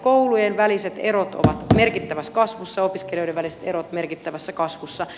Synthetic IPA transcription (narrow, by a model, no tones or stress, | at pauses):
koulujenʋæliset̪eɾot̪o̰ʋɑt̪merkit̪ːæʋæskɑsʋusːɑjopiskelijo̞jɾeʋæliset̪eɾot̪merkit̪ːæʋæsːækɑsʋusːɑ